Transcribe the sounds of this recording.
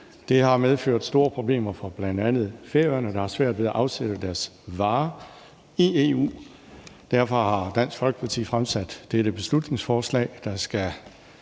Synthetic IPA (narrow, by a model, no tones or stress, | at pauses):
d̥e̝hɑ̈með̞ˠføɐ̰d̥sd̥o̝ːɐpʰʁo̝b̥le̝̰ːmɐfɒ̽b̥lænd̥ænð̞̩ˠfeɐɐnəd̥ɑ̈hɑ̈sʋæɐ̰d̥ʋe̝ðˠæʔɑ̈ʊseɾ̥əd̥æɐsʋɑ̈ː | ieːṵː | d̥æɐ̰fɒ̽hɑ̈d̥æn̰sɡ̥fɒlɡ̥ə̥pʰɑ̈t͡sʰḭːfʁamsæd̥ːeɾ̥əb̥e̝slud̥ne̝ŋsfɒːslɛ̰ːɪd̥ɑ̈sɡ̥æ